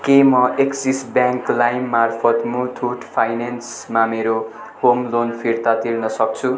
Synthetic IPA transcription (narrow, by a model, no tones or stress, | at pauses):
kemʌʔeksisbjaŋklajmːarpʰʌt̪mut̪ʰuʈpʰajnens | mameɾo | homlonpʰiɾt̪at̪irnʌsʌk̚t͡sʰu